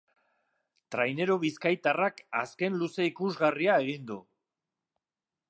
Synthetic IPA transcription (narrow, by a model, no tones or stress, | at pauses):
t̪ɾajne̞ɾo̞βiskajt̪arakaske̞nluse̞ikuzɣariae̞ɣind̪u